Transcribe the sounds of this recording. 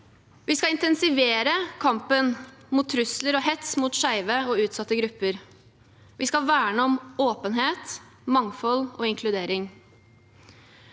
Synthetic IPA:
ʋiːskɑɪnt̪ɛnsɪʋeːɾəkʰɑmpənmuːt̪ʰːɾʉsləɾɔːhɛt̪smuːt̪ʂæɪʋəɔːʉːt̪sɑt̪ːəɡɾʉpːəɾ | ʋiːskɑʋæːɳəɔmoːpənɦeːt̪ | mɑŋfɔloːɪŋkʰlʉd̪eːɾɪŋ

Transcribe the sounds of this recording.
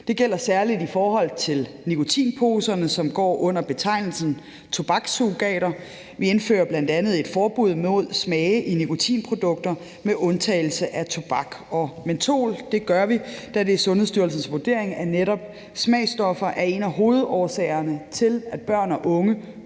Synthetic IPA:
d̥e̝ɡ̥el̰ɐsæɐlid̥ifɒːɦɒ̽l̰t͡sʰe̝l | nikʰo̝t͡sʰḭːnpʰo̝ːsɐnəsɒ̽mɡ̥ɒ̰ːʔɔ̽n̰ɐb̥e̝t͡sʰɑ̈ɪnl̩sn̩ | t͡sʰo̝b̥ɑ̈ɡ̥suɡ̥ɛ̰ːɾɐ | ʋie̝nfø̰ːɐb̥lænd̥ænð̞̩ˠe̝d̥fɒːb̥uð̞̰ˠmo̝ð̞̰ˠsmɛːɪʔinikʰo̝t͡sʰḭːnpʰʁo̝d̥ɔ̽ɡ̥̚d̥ɐ | meʔɔ̽nt͡sʰɛɪl̩səʔæt͡sʰo̝b̥ɑ̈ɡ̥ɒ̽ment͡sʰo̝̰ːld̥e̝ɡ̥ɶɐʋid̥æd̥e̝sɔ̽nɦheðˠsd̥yɐlsn̩sʋud̥e̝ɐeŋæɐneɾɒ̽b̥ | smɛ̰ɪsd̥ɒ̽fɐʔæɐe̝næɦo̝ːð̩ˠɒːɐsɛːɪɐnət͡sʰe̝læd̥̚b̥ɶɐ̰næʔɔ̽ŋə

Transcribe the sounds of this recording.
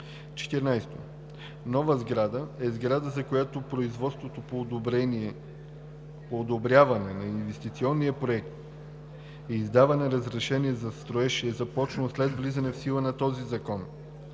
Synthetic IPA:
t͡ʃɛ̥t̪ɛɾnajst̪o | nɔvəzɡɾad̪əɛzɡɾad̪əzɐkojat̪opɾoizvɔt̪st̪vot̪opoːd̪obɾɛniɛ | poːd̪obɾjavɐnɛnɐinvɛst̪it̪siɔnːiəpɾoɛkt̪ | iːzd̪avɐnɛɾɐzɾɛʃɛnʲiɛzɐst̪ɾoɛʃiɛzɐpɔt͡ʃnslɛd̪vlizɐnɛfsilˠənɐt̪ɔzizɐkɔn

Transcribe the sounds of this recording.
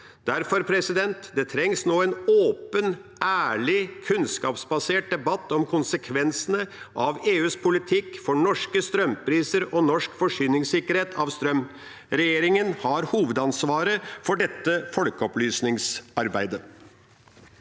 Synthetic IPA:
d̪̥æɾfɔɾpʰɾɛsɪd̪ɛnt̪d̪ɛt̪ʰɾɛŋsnoːɛːnoːpən | ʔæːɭɪkʰʉnskɑːpsbɑseːʈ̚d̪ɛbɑt̪ːɔmkʰʊnsəkʰʋɛnsənə | ʔɑʋeːʉːspʰʊlɪt̪ʰɪkfɔɳɔʂkəst̪ɾœmpʰɾiːsəɾɔnɔʂkfɔʂyːnɪŋsɪkəɾheːt̪ʰɑʋst̪ɾœm | ɾɛjeːɾɪŋənhɑɾhuːʋəd̪ɑnsʋɑːɾəfɔɖɛt̪ːəfɔlkəɔplyːsnɪŋsɑɾbæɪd̪ə

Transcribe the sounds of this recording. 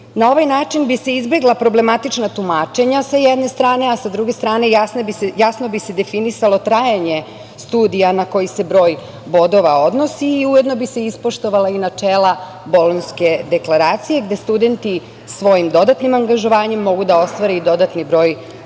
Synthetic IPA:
nao̞ʋajnaːt͡ʃinbise̞izbe̞ɡlˠapɾo̞ble̞mat̪it͡ʃnat̪umaːt͡ʃe̞ɲasajɛd̪ne̞st̪ɾaːneasad̪ɾuɡe̞st̪ɾaːne̞jasnbijasno̞bise̞d̪e̞finisalˠo̞t̪ɾajaɲe̞ | st̪uːd̪ijanako̞jise̞bɾo̞ːj | bo̞d̪o̞ʋao̞d̪no̞siːujed̪no̞bise̞ispo̞ʃt̪o̞ʋalainat͡ʃeːlˠa | bo̞lonske̞d̪e̞klaɾaːt̪sije̞ɡd̪e̞st̪ud̪e̞nt̪i | sʋo̞jimd̪o̞d̪at̪nimaŋɡaʒo̞ʋaːɲemːo̞ɡud̪ao̞st̪ʋaɾeid̪o̞d̪at̪nibɾo̞ːj

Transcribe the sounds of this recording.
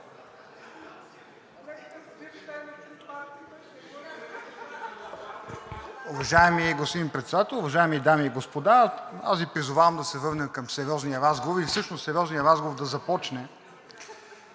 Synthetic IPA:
ʊvɐʒaɛmiɡospod̪inpɾɛt̪sɛd̪at̪ɛlˠʊvɐʒaɛmid̪amiːɡospod̪aa̰svʲipɾizʊvavɐmd̪ɐsɛvɤɾnɛkɐmsɛɾjɔzniəɾazɡovoɾifsɤʃnossɛɾjɔznijəɾazɡovoɾd̪ɐzɐpɔt͡ʃnɛ

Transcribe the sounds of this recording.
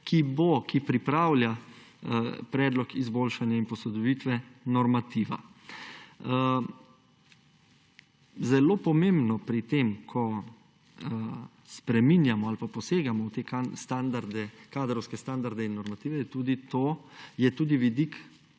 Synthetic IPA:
kʰibokipɾipɾaːwlʲja | pɾɛːd̪lɔkizboːlʃanjainpɔsɔd̪ɔʋit̪ʋɛnɔɾmat̪iːʋa̰ | zɛloːpɔmembnɔpɾit̪eːmkʰɔ | spɾɛminjamɔalpapɔseːɡamɔwt̪eːkast̪and̪aɾd̪ɛkaːd̪ɾɔwskɛst̪and̪aɾd̪ɛinːɔɾmat̪iːʋɛt̪uːd̪it̪oːjɛt̪uːd̪iʋid̪ik

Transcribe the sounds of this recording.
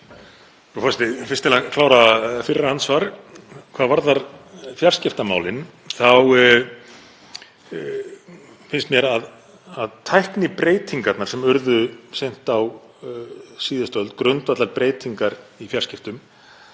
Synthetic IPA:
ufɔst̪ɪfɪrst̪ɪlakʰlaːwɾafɪrːaansvaɾkʰvaːðvaɾðaɾfjar̥scɪft̪ama̰ːwlɪn | θaw | fɪnst̪mjɛɾað | aðt̪ʰajhknɪpɾeːjt̪ʰiŋkat̪nḁsɛmʏɾðʏsejn̥t̪aw | siːðʏst̪œwlt̪kɾʏnt̪vat̪laɾpɾeːjt̪iŋkaɾifjarscɪft̪ʏm

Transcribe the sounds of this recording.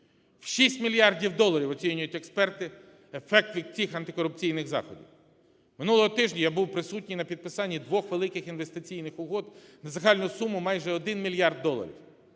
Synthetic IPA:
wʃisʲtʲmʲilʲjɑrdʲiwd̪ɔlˠɐɾʲiwɔt͡sʲinʲʊjʊtʲekspɛrt̪ɪ | efɛk̚t̪ʋʲid̪̚ʲt͡sʲixɐnt̪ɪkɔɾʊp̚t͡sʲijnɪɣzɑ̰xɔ̰dʲḭw | mɪnulˠɔɦɔt̪ɪʒnʲɐjabuwpɾɪsutʲnʲijnɐpʲid̪̚pɪsɑnʲːid̪ʋɔxʋelˠɪkɪxinʋest̪ɪt͡sʲijnɪxʊɦɔd̪nɐzɐɦɑlʲnʊsumʊmɑjʒɛɔd̪ɪnmʲilʲjɑrd̪ːɔlˠɐ̰ɾʲḭw

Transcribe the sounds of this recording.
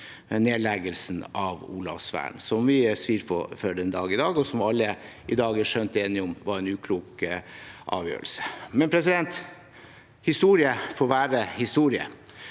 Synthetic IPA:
neːlɛɡəlsnɑʋṵːlɑ̰fsʋæ̰ːɳsɔmʋɪsʋiːɾpʰɔ̰fœɖɛnd̪ɑːɡɪd̪ɑːɡɔsɔmɑlːə | ɪd̪ɑːɡæʂœnt̪eːnɪɔmʋɑɾɛnʉːkʰluːk | ʔɑ̰ːʋjø̰ːɾəlsə̥mɛnpʰɾɛs̬ɪd̪ɛnt̪ | hɪst̪uːɾɪəfoːɾʋæːɾəhɪst̪uːɾɪə̰

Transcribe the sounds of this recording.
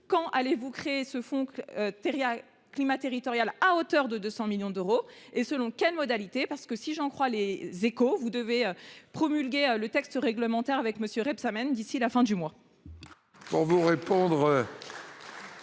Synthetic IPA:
kɑ̃ʔalevukχeːsəfɔ̃øt̪eʁja | klimat̪eʁit̪ɔʁjalaot̪œʁd̪əd̪øsɑ̃miljɔ̃d̪øʁoesəlɔ̃kʲɛlmɔd̪alit̪epaʁsə̥kəsiʒɑ̃kχwalezekovud̪əveøpχɔmylɡʲeølət̪ɛkst̪əʁɛɡləmɑ̃t̪ɛʁavɛkməsjøʁɛbsamɛnd̪isilafɛ̃d̪ymwa | pṵʁvuʁepɔ̃d̪ʁø

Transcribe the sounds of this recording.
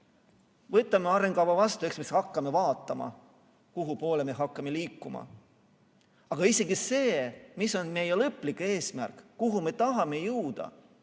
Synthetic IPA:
vɤt̪ːˑɑmeɑɾe̞ŋɡ̥ɑwvɑvɑst̪ue̞ksmishɑkˑːɑme̞vɑːt̪ːˑɑmɑ̰ | kuɦupo̞ːlemeɦɑkˑːɑme̞liːkˑːumɑ̰ | ɑɡ̥ɑise̞ɡ̥ise̞ːmiso̞nme̞jelɤpːˑlike̞ːsmærkːuɦume̞t̪ɑɦɑme̞jɯwd̪̥ɑ̰

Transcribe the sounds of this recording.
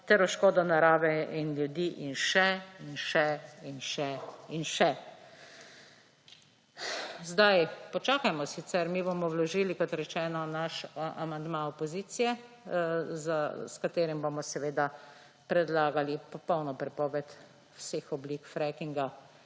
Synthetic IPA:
t̪ɛɾɔʃkoːd̪ɔnaɾaːʋɛinlʲjud̪iːʔinʃɛinʃɛinʃɛinʃɛ | zd̪ajpɔt͡ʃaːkajmɔsisɛɾmibomɔwlɔʒilikɔt̪ɾɛt͡ʃɛːnɔnaʃamand̪maɔpɔziːt̪sijɛ | zaskat̪eːɾimbomɔsɛʋeːd̪a | pɾɛd̪laːɡalipɔpɔwnɔpɾɛpɔːʋɛt̪ | wsexɔblikfɾɛkiŋɡa

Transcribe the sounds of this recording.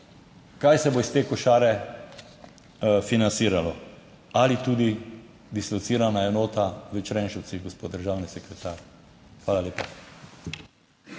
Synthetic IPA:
kajsɛboist̪eːkɔʃaːɾɛ | finansiːɾalɔ | alit̪uːd̪i | d̪islɔt̪siːɾanaɛnoːt̪aʋət͡ʃɾɛnʃəw̪siɣɡospoːt̪̚d̪əɾʒawnisɛkɾɛt̪aːɾ | xʋaːlaleːpa

